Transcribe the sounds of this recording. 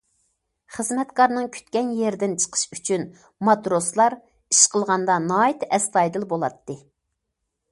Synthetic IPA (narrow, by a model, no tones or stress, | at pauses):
χəzmɛt̪kɑɾnɨŋkʲʰy̥t̪kʲɛnjɛɾd̪ɪnt͡ʃʰə̥qʰə̥ʃyt͡ʃʰyn | mɑt̪ɾoslˠɑɾ | iʃqəlˠʁɑnd̪ɑnɑːit̪ʰɛst̪ɑjd̪ɨlˠbolˠɑt̪ːɨ